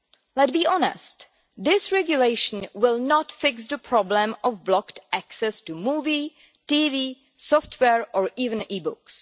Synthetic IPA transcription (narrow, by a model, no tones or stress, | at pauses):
lɛt̚biːʔɔnɛ̰st | d̪ɪsɹɛɡjuleɪʃn̩wɪlˠnɔtfɪksdəpʰɹɔblə̃mɔvblɔktʔæksɛstumuːvi | tiːvi | sɔftʰwɛɹʔɔɹiːvə̃niːbʊks